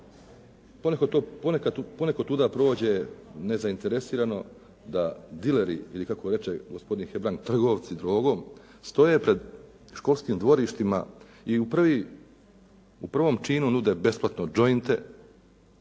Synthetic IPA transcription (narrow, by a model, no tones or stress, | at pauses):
ponekot̪oponekauponekot̪ːuːd̪apɾo̞ːd͡ʑe̞ne̞zaint̪eɾe̞siːɾano̞ | d̪ad̪ileɾiilikako̞ɾe̞t͡ʃe̞ɡospo̞d̪inxe̞bɾaŋk̚t̪r̩ɡo̞ʋt̪sid̪ɾo̞ːɡo̞m | st̪o̞je̞pɾe̞d̪ | ʃko̞lˠskimd̪ʋo̞ɾiʃt̪ima̰ | iuprʋi | upr̩ʋo̞mt͡ʃiːnunud̪e̞be̞splˠat̪no̞d͡ʒojint̪ḛ